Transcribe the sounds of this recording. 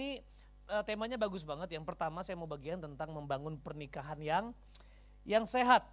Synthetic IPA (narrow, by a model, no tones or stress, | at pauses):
i | ʔət̪emaɲabaɡʊs̬baŋət̪̚jaŋpərt̪amasajamawbaɡiant̪ənt̪aŋməmbaŋʊnpərnikaɦanjaŋ | jaŋseɦat̪̚